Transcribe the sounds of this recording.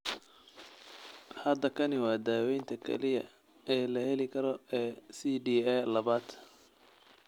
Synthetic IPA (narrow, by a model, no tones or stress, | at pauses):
hɐd̪ɐkʰɐnɪwɑːd̪aːwɛjnt̪ʰɐkʰɛ̰lɪjɐ̰ | ɛːlɐhɛlɪkʰɐɾɔɛːsiːɖiːɛːlɐβaːd̪